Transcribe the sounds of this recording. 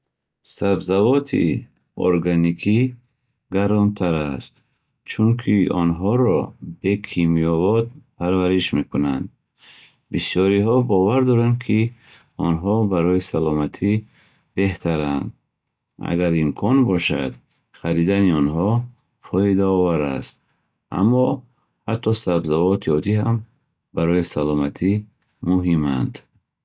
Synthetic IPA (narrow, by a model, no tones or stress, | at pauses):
sabzavɔt̪ʰḭ | o̰ɾɡanikʰi | ɡaɾɔnt̪ʰaɾast̪ | t͡ʃʰuŋkʰiɔnɦɔɾɔbe̞kʰimiɔvɔt̪̚pʰaɾvaɾiʃme̞kuna̰nd̪ | bisjɔɾiɦɔbɔvaɾd̪ɔɾand̪kʰi | ɔnɦɔbaɾɔisalɔmat̪ʰi | b̥e̞ht̪ʰaɾand̪ | a̰ɡaɾimkʰɔnbɔʃa̰d̪ | χaɾid̪aniɔnɦɔ | fʰɔid̪aɔvaɾa̰st̪ | ʔa̰mːɔ | hat̪ʰːɔsabzavɔt̪ʰiɔd̪iɦam | baɾɔisalɔmat̪ʰi | muɦima̰nd̪